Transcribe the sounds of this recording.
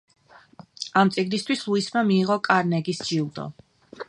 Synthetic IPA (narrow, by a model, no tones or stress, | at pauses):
amt̪sʼiɡnist̪ʰwislˠuismamiːʁɔkʼaɾnɛɡisd͡ʒilˠd̪ɔ̰